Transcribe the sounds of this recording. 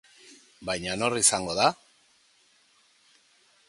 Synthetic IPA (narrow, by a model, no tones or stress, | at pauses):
bajɲano̞risaŋɡo̞ða